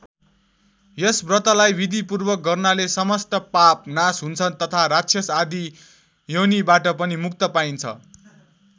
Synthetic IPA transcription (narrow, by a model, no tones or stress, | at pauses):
jesbrʌt̪alajbid̪ʱipurbʌk̚ɡʌrnalesʌmʌsʈʌpap̚nasɦunt͡sʰʌnt̪ʌt̪ʰaɾat͡sʰjʌsad̪i | jʌwnibaʈʌpʌnimukt̪ʌpaint͡sʰʌ̰